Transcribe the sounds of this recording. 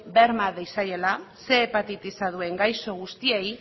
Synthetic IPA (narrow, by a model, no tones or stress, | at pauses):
be̞ɾmaðejsaje̞lase̞ːpat̪it̪isaðue̞ŋɡajso̞ɣ̞ust̪iej